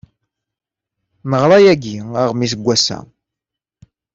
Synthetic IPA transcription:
məʁɾˤɑjæɡiaʁmis̬əɡʷːæsæ̰

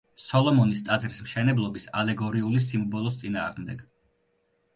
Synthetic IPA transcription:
sɔlˠɔmɔnist̪ʼad̪zɾismʃɛnɛblˠɔbisa̰lɛɡɔɾiulis̬imbɔlˠɔst̪sʼina̰ːʁmd̪ɛɡ̥

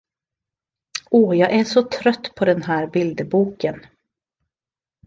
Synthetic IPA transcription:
ɔːjɑːɡʔæʂɔt̪ʰɾœt̪ːpʰɔd̪ɛnɦæːɾbɪld̪əbuːkən

